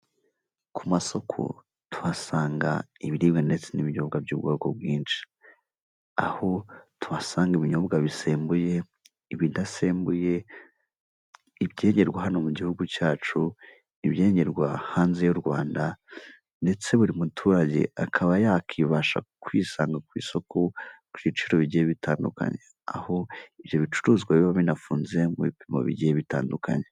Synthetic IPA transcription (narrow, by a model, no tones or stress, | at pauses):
kʰumaso̞kʰo̰ | tʰuβasaːŋɡa̰iβiɾibɡande̞t͡se̞niβiɲobɡabɟṵːbɡoːko̰bwiːnʃi̥ | a̰hotuβasaːŋɡiβiɲobɡaβise̞ːmbuje̞ | iβindase̞ːmbuje̞ | ibjɟe̞ːɲɟe̞ɾɡwaɦano̞muɟihuɡucaːt͡ʃu | iβje̞ːɲe̞ɾɡwa̰haːnzejuɾɡwaːnda | nde̞t͡se̞βuɾimutʰuːɾaɟḛakʰaβajakʰiβaʃa̰kwiːsaːŋɡakwḭːso̞kʰokuit͡ʃiɾo̞βiɟijeβitʰaːnduka̰ɲe̞ | a̰ho̞iβjo̞βit͡ʃu̥ɾuzɡwaβiβaβinafuːnze̞muβipimo̞̰βḭɟijeβita̰ːnduka̰ɲe